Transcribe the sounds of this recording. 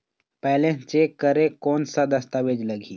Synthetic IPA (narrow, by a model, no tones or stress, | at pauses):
pɛɦlẽt͡ʃeːkːəɾekɔːnsad̪ɐst̪aʋeːd͡ʒlɐɡʱiː